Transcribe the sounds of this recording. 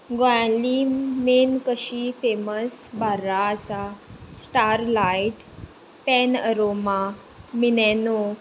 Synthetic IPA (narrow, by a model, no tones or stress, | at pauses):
ɡojãlimenkəɕifeməsbaɾaːsasʈaɾlaiʈ | pɛnəɾoma | minɛno